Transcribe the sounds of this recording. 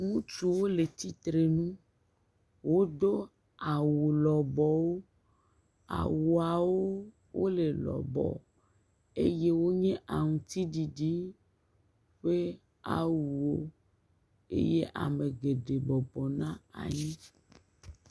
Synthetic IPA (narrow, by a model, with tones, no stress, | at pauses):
ŋũ˦t͡ʃu˦˨wo˦le˨t̪i˦t̪ɾe˨nũ˦ | wo˦d̪o˦ | a˨wu˨lɔ˨bɔ˨wo˦ | a̰˨wu˨a˨wo˦ | wʔo̰˦le˨lɔ̰˨bɔ̰˨ | e˦je˦wo˦ɲɛ̃˦ʔa˨ŋũ˨t̪i˦ɖi˨ɖi˦ | ɸe˦ | a̰˨wu˨wo˦ | ḛ˦je˦ʔa̰˨me˨ɡe˨ɖe˨bɔ˨bɔ˨nã˦a̰˨ɲĩ˦